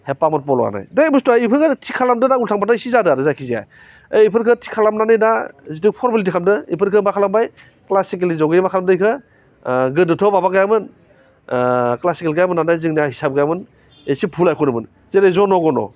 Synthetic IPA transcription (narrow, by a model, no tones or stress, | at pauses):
hepamɯnpɔlɔ̰a̰na̰jdejbustɔajipʰɯɾkʰɯtʰikʰalamdɯnaultʰaŋbataisizadɯaɾɯzajkʰizija̰j | ejipʰɯɾkʰɯtʰi̥kʰalamnanɯjnazidɯk̚pʰɔɾmilit̬ikʰamdɯḭpʰɯɾkʰɯmakʰalambaj | klasikelizɔɡejmakʰalamdɯjkʰɯ | ɡɯdɯtʰɔbabaɡajamɯn | klasikelɡajamɯnːanajzɯŋnijahisap̚ɡajamɯn | esipʰulajkʰunɯmɯn | zeɾezɔnɔɡɔnɔ̰